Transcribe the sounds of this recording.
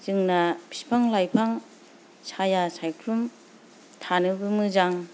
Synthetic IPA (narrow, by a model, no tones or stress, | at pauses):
zɯŋnɐpʰi̥pʰaŋlajpʰaŋ | sajasajkʰɾum | tʰanɯbɯmɯzaŋ